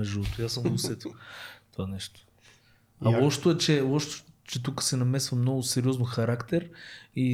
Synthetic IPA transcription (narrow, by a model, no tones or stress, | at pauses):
ɐʒivɔt̪ojasə̃musɛt̪o̥t̪ovanɛʃt̪o̥ | aɔʃt̪oɛt͡ʃɛɔʃt̪o̥t͡ʃɛt̪̬ukə̥sɛnɐmɛsvɐmnɔɡʊsɛɾʲiɔznoxɐɾakt̪ɛɾi